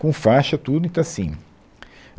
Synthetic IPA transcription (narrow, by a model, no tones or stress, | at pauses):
kõfaʃɐt̪ud̪ʊĩt̪asĩ